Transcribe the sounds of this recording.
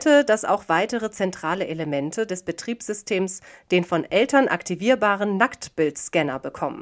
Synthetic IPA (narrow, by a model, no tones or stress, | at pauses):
tədasa̰ʊxv̥aɪtəʁət͡sɛntʁ̥aːləʔeləmɛntʰədɛsb̥ətʁ̥iːpsz̥ʏstʰeːmsd̥eːnfɔnʔɛltɐnʔa̰ktʰiviːɐbaːʁənːaktb̥ɪltskɛnɐ̰bəkʰɔmə̰n